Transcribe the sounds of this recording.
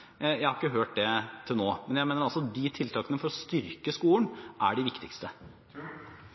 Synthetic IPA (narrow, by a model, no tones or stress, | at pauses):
jæɪhɑɾɪkːəɦøːʈ̚d̪ɛt̪ʰɪlnoːmɛnjæɪmeːnəɾɑlsɔd̪it̪ʰɪlt̪ʰɑːkənəfɔɾɔst̪ʏɾkəskuːənʔæ̰ɖɪʋɪkt̪ɪkst̪ə